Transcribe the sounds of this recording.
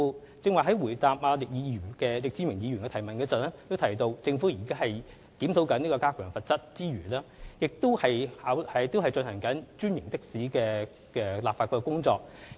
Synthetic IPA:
t͡sɪ˧ŋwɐː˨˩ɦɐ˨˥jwuː˨˩jt̪aː˨p̚ʔaː˧lɪ˨k̚jiː˨˧˥jyː˨˩kɛː˧lɪ˨k̚t͡si˨˧mɪ˨˩ŋjiː˨˧jyː˨˩nkɛ˧t̪ʰjmɐ˨˩nkɛː˧t͡sɐ˨t̚lɛː˥t̪o˥wt̪ʰɐ˨˩jt̪o˧wt͡sɪ˧ŋfuː˨˥ji˨˩kaː˥hɐ˨j | t̪iː˨˥mt̪ʰo˨˥wkɐ˨˥niː˥kɔː˧kaː˥kʰœː˨˩ŋfɐ˨t̚t͡sɐ˥t̚t͡siː˥ɥy̰ː˨˩lɛː˥jɪ˨k̚t̪o˥whɐ˨jhaː˨˥whɐ˨t̪o˥wɦɐ˨jt͡ʃɵ˧nhɐ˨˩ŋkɐ˨˥nt͡ʃyː˥njɪ˨˩ŋt̪ɪ˥k̚siː˨˥kɛː˧ | kɛː˧laː˨pfaː˧kʰɔ˧kɛ˧kʊ˥ŋt͡sɔː˧k̚

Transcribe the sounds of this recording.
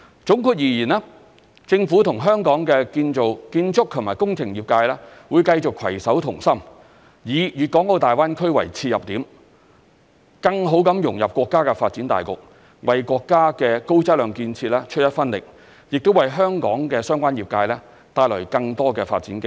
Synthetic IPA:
t͡sʊ˨˥ŋkʰuː˧t̚jiː˨˩jiː˨˩naː˥ | t͡sɪ˧ŋfuː˨˥t̪ʰʊ˨˩ŋɦœː˥ŋkɔː˨˥ŋkɛː˧kiː˧nt͡so˨wkiː˧nt͡sʰʊ˥k̚t̪ʰʊ˨˩maː˨˩jkʊ˥ŋt͡sʰɪ˨˩ŋjiː˨˩p̚kaː˧jlɛː˥wuː˨˧jkɐ˧jt͡sʊ˨kʰwɐ̰˨˩jsɐ˨˥wt̪ʰʊ˨˩ŋsɐ˥m | jiː˨jyː˨t̚kɔː˨˥ŋo˨˧t̪aː˨jwaː˥nkʰɵ˥ɥwɐ̰˨˩jt͡sʰiː˧t̚jɐ˨p̚t̪iː˨˥m | kɐ˧ŋɦo˨˥wkɐ˨˧˥mjʊ˨˩ŋjɐ˨p̚kʷɔː˧kːaː˥kɛ˧faː˧t̚t͡siː˨˥nt̪a̰ː˨˩jkʊ˨k̚ | wɐ˨jkʷɔː˧kːaː˥kɛː˧ko˥wt͡sɐ˥t̚lœː˨˧ŋkiː˧nt͡sʰiː˧t̚lɛː˥t͡ʃʰɵ˥t̚jɐ˥t̚fɐ˥nlɪ̰˨k̚ | jɪ˨k̚t̪o˥wɐ˨jɦœː˥ŋkɔ̰ː˨˥ŋkɛː˧sœː˥ŋkʷaː˥njiː˨˩p̚kaː˧jlɛː˥ | t̪aː˧jlœ˨˩kɐ˧ŋt̪ɔː˥kɛː˧faː˧t̚t͡siː˨˥nkɪ˥

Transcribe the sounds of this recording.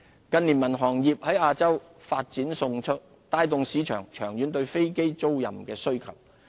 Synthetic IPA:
kɐ˧nli˨˩nmɐ˨˩nɦɔː˨˩ŋjiː˨p̚hɐ˨˥jaː˧t͡sɐ˥w | faː˧t̚t͡siː˨˥nsʊ˧ŋt͡ʃʰɵ˥t̚ | t̪aː˧jt̪ʊ˨˧ŋsiː˨˥t͡ʃʰœː˨˩ŋt͡ʃʰœ̰ː˨˩ŋjyː˨˥nt̪ɵ˧ɥfe˥jke˥jt͡so˥wjɐ̰˨˩mkɛː˧sɵ˥ɥkʰɐ˨˩w

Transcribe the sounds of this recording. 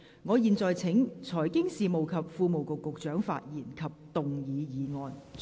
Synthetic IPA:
ŋɔː˨˧jiː˨˧nt͡sɔː˨jt͡sʰɪ˨˥ŋt͡sʰɔː˨˩jkɪ˥ŋsiː˨mo˨wkʰɐ˨p̚fuː˧mo˨wkʊ˨kːʊ˨k̚t͡ʃœː˨˥ŋfa̰ː˧t̚jiː˨˩nkʰɐ˨p̚t̪ʊ˨ŋjiː˨˧jiː˨˧ŋɔː˨n

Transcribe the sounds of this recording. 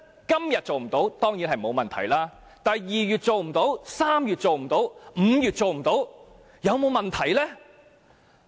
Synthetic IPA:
kɐ˥mjɐ˨t̚t͡so˨wm̩˨˩t̪o˨˥wt̪ɔː˥ŋjiː˨˥nhɦɐ˨˩jmo˨˧wmɐ˨˩nt̪ʰɐ̰˨˩jlaː˥ | t̪ɐ˨jjiː˨jyː˨t̚t͡so˨wm̩˨˩t̪o˨˥wsaː˥mjyː˨t̚t͡so˨wm̩˨˩t̪o˨˥wm̩˨˧jyː˨t̚t͡so˨wm̩˨˩t̪o˨˥w | jɐ˨˧wmo˨˧wmɐ˨nt̪ʰɐ˨˩jlɛː˥

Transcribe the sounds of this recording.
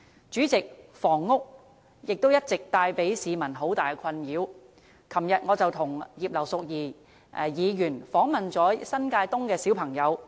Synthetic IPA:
t͡ʃyː˨˥t͡sɪ˨k̚fɔː˨˩ŋːʊ˥k̚ | jɪ˨k̚t̪o˥wjɐ˥t̚t͡sɪ˨k̚t̪aː˧jpe˨˥jsiː˨˧mɐ˨˩nɦo˨˥wt̪aː˨jkʰɐ˧njiː˨˧w | kʰɐ˨˩mjɐ˨t̚ŋɔː˨˧t͡sɐ˨wt̪ʰʊ˨˩ŋjiː˨˩p̚lɐ˨˩wsʊ˨k̚jiː˨ | jiː˨˧jyː˨˩nfɔː˨˥ŋmɐ˨nt͡sɔː˨˥sɐ˥nkaː˧jt̪ʊ˥ŋkɛː˧siː˨˥wpʰɐ˨˩ŋjɐ˨˧w

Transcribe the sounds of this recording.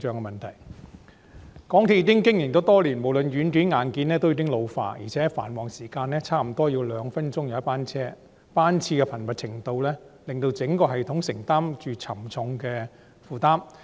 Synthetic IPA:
t͡ʃœː˨˧ŋkɛ˧mɐ˨nt̪ʰɐ˨˩j | kɔː˨˥ŋt̪ʰi˧˥i˧kɪ˥ŋkɪ˥ŋjɪ˨˩ŋt̪oː˨˧˥t̪ɔː˥liː˨˩nmo˨wlɵ˨˧nɥyː˨˥nt̪yː˨˥nŋaː˨˧nkiː˨˧˥nlɛː˥t̪o˥wji˧kɪ˥ŋlo˧wfa̰ː˧ʔjḭː˨˩t͡sʰɛː˨˦˥fa̰ː˨˩nwɔː˨˩ŋsiː˨˩kaː˧nɛː˥t͡sʰaː˥m̩˨˩t̪ɔː˥jiː˧wlœː˨˧ŋfɐ˥nt͡ʃʊ˥ŋjɐ˨˧wɐ˥paː˥nt͡sʰɛː˥ | paː˥nt͡sʰiː˧kɛ˧pʰɐ˨˩nmɐ˨t̚t͡sʰɪ˨˩ŋt̪o˧wlɛː˥lɪ˨˧ŋt̪o˧wt͡sɪ˨˥ŋkɔː˧ɦɐ˨˩jt̪ʰʊ˨˥ŋsɪ˨˩ŋt̪aː˥mt͡ʃyː˨t͡sʰɐ˨˩mt͡sʰʊ˨˧ŋkɛː˧ | fuː˨˧t̪aː˥m

